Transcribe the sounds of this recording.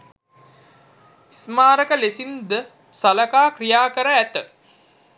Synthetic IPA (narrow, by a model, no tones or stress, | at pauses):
smaːɾəkəlesind̪ə | saləkaːkrijaːkəɾəæt̪ə